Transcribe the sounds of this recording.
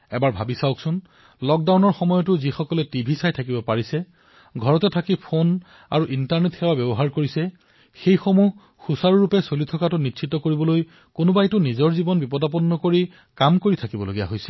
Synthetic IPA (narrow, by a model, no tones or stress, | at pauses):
ɛbaɹbʱabisaʊwksʊn | lɔk̚dawnɔɹxɔmɔjɔtʊzixɔkɔlɛtibʱisajtʰakibɔpaɹisɛ | ɡʱɔɹɔtɛtʰakipʰon | a̰ɹuʔintaɹnetxɛwabɛbɔɦaɹkoɹisɛ | xejxomuɦ | xusaɹɹupɛsolitʰɔkatʊnitsʰitɔkoɹibɔloj | konʊbajtʊnizɔɹzibɔnbipɔdap̬ɔnːɔkoɹi | kamkoɹitʰakibɔloɡija̰ɦojsɛ̥